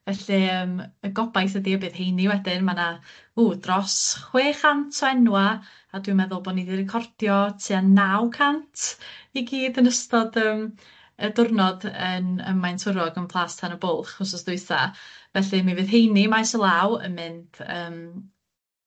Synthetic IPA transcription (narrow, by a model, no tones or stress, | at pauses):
vɛɬiəːməɡɔbajθədiəbɨːðɦejniwɛdɪnmanauːdrɔsχweːχantʰɔɛnwa | adwɨmɛðʊlˠboːdniðirɪkʰɔrd̥jɔtʰɨanawkʰantʰiɡiːdənəstɔdəːm | ədʊrnɔdənə̰majntʰʊɾɔɡənpʰlˠaːstʰanəbʊlˠχʊsɔsd̥ʊɨθa̰vɛɬɨmivɨːðɦejnimajsɔlˠawə̰mɪnd̥əːm